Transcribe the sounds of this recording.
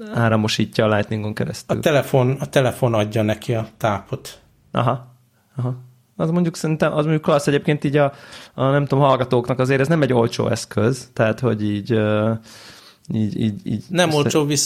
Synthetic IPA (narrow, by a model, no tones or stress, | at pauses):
aːɾɒmo̞ʃiːcːɒːlajt̪niŋɡo̞ŋkɛɾɛ̰st̪ɒy̰ːlɛlɛfonɒt̪ɛlɛfo̞nɒɟːɒnɛkiɒt̪aːpot̪ | ʔɒ̰ɦɒ | ɒɦɒ | ɒzmo̞ɲɟuksɛɾint̪ɛmʔɒzmoɲɟuklɒsːɛɟeːp̚keːnt̪iːɟɒɒnɛmt̪oːmɦɒlɡɒt̪oːknɒkɒzeːɾɛznɛmɛɟːo̞lt͡ʃo̰ːɛskøzt̪ɛɦat̪ho̞ɟiːɟø | iːɟiːɟḭːɟnɛmmolt͡ʃoːvis